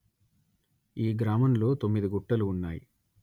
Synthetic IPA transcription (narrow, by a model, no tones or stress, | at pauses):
iːɡɾaːmɐmlo̞ːt̪o̞mːid̪iɡuʈːɐluːnːaːjḭ